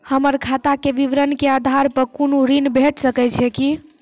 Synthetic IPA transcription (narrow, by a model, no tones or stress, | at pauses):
həməɾkʰat̪akeʋiʋɾənkead̪ʱaɾpəɾkonuɾinbʱeʈʰsəkɛjt͡ʃʰɛki